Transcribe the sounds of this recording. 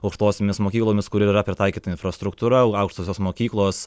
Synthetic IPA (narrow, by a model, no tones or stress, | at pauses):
ɐʊkʃt̪oːsʲomʲɪsmoːkʲiːklˠoːmʲɪskʊɾʲɪiɾɐpʲɾʲɪt̪ɑɪkʲiːt̪ɐɪnfɾɐst̪ɾʊkt̪uːɾɐɐʊkʂt̪oːsʲoːsmoːkʲiːklˠoːs